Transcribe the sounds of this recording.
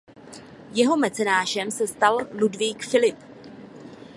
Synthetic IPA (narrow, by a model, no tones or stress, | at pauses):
jɛɦo̞mɛt͡sɛnaːʃɛmsɛst̪alludviːkfɪlɪp